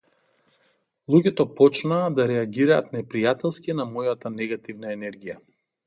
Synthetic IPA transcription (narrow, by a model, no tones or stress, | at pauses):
lˠuɟɛt̪ɔpɔt͡ʃnaːd̪aɾɛaɡiɾaːt̪nɛpɾijat̪ɛlˠskinamɔjat̪anɛɡat̪ivnaɛnɛɾɡʲija